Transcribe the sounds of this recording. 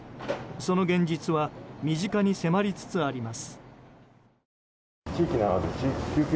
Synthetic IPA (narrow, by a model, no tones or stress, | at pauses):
so̞no̞ɡẽ̞ɲ̟d͡ʑit͡sɨβamʲiʑikaɲ̟ise̞maɾʲit͡sɨ̥t͡sɨaɾʲimasɨ̥ | t͡ɕiːkʲinaad̪et͡ɕiːkʲikʲɨːkʲ